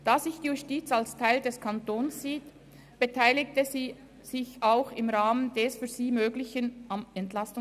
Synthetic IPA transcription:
d̥aːzɪçd̥iːjustiːt͡salstʰaɪldɛskʰantoːnsz̥iːt | b̥etʰaɪlɪk̚təziː | z̥ɪçaʊxɪmʁaːməndɛːsfyːɐz̥iːmøːɡlɪçənamɛntlastʊŋ

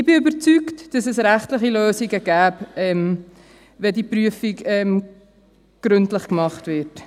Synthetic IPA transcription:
ɪb̥ɪybəɾt͡syktd̥ɑsɛsɾæχtləχiløːsiɡəɡæːpɛm | vɛdipɾyəfiɡɛm | ɡ̥ɾʏntləχkmɑχtvɪɾt

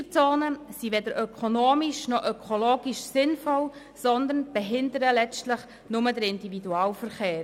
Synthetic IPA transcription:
t͡soːnəsiʋɛd̪əɾʔœkʰonoːmiʃnɔʔœkʰoloːɡiʃsɪnfɔl | sɔnd̪ənb̥ɛɦɪndəɾəlɛt͡stlɪχ | nʊmədəɾɪndividuaːlfəɾχeːɾ

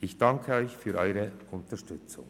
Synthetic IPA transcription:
ɪçd̥ɑŋkʰəɔʏçfyːɾʔɔʏʁəʊntəʃtʏt͡sʊ̰ŋ

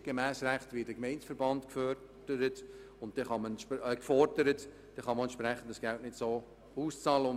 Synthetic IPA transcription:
ɡ̥emæːsræχtʋiːd̥əkmɛɪnsfəɾbɑntkfœ | d̥əɾət | ʊnt̚d̥ɛχɑməkfɔrdəɾət | d̥ɛχɑməɛnʃpɾæχːən̩dəsɡ̥æltnɪtsoː | uːst͡sɑːləʊ

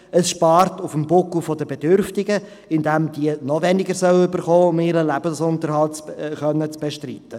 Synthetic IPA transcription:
əsʃpɑːɾtʊfəmbʊkufɔd̪əbedʏɾftɪɡə | ɪndæmdiənɔvɛnɪɡəɾsœwʏbəɾχoːʊmɪɾəlæb̥əsʊnt̪əɾhɑltt͡sχœnːət͡sb̥eʃtriːt̪ːə

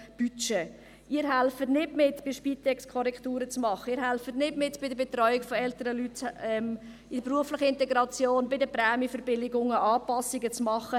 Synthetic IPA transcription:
b̥yt͡ʃe | ɪːəɾɦɛlfətnɪtmɪtb̥ɪʃpiːtɛkskʰɔɾɛkχtuːɾət͡smɑχəiːɾɦɛlfətnɪtmɪtb̥ɪdəbɛtɾɔʏɪkfɔɛltəɾəlytɛm | ɪpruəflɪχəɪntɛɡɾɑt͡sjoːnbɪdəpɾɛːmjəfəɾbɪlɪɡʊŋəʔɑːpɑsɪɡət͡smɑχə

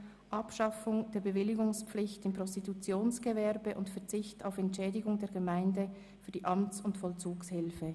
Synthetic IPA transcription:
ʔɑpʃɑfʊŋd̥eːɐbəvɪlɪɡʊŋspp͡flɪçtɪmpʁɔstitut͡sjoːnsɡ̥əvɛʁbəʔʊntfɛɐt͡sɪçta̰ʊfɛntʃɛːdɪɡʊŋdeːɐɡəmaɪndə | fyːɐdiːʔɑmt͡sʊntfɔlt͡suːkshɪlfə

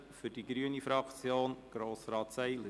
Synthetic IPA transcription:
fʏdiɡɾyənifɾɑkt͡sjoːnɡ̥ɾoːsɾɑːt̪sɛɪlə

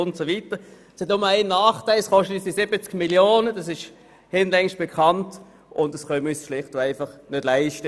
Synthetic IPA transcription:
ʊntsovitə | shɛtnʊməaɪnːaːχtaɪlskɔʃtətisd̥isɪbət͡skmiljoːnəd̥ɑsɪʃ | hɪnlɛŋʃ̚b̥ekʰɑnt | ʔʊndəsχœmysflɪχtoaɪfɑχnød̥laɪʃtə

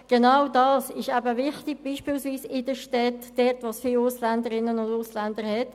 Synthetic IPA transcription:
ɡ̥enawdɑːsɪʃæbəʋɪχt̪ɪɡ̚b̥iːʃpiːlsʋiːsɪdəʃtɛtd̥ɛɾtʋosfiːlʊslændəɾɪnːənʊndʊslɛndəɾhɛt

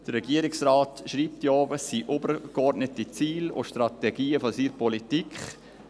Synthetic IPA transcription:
d̥ərːɛɡiəɾɪksraːtʃɾiːp̚tjoːvəsiːʔobəɾɡɔɾdnətit͡siːlʊ̰ʃtɾɑtɛɡiːəfɔsiːɾpɔlitikχ

